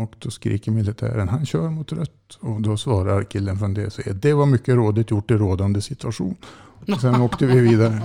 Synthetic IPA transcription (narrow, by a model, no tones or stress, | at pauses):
oːkt̪ɔskɾḭːkəɾmɪlɪt̪ʰæ̰ːɾənɦanɕøːɾmʊt̪ɾœt̪ːɔd̪ɔsvɑːɾaɾkʰɪlːənfɾɔnd̪ɛ̰sɔɛ̰d̪ɛvaɾmʏkːəɾoːd̪ɪt̪jʊʈːɪɾoːd̪and̪əsɪt̪ʰʉaʂṵːnɔsɛnoːkt̪əvɪviːd̪aɾə